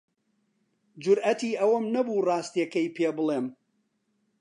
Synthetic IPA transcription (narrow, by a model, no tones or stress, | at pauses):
d͡ʒʊɾɐt̪iːʔɐwɐmnɐbuːrˤɑːst̪ijɐkɐjpʰeːbɨlˠem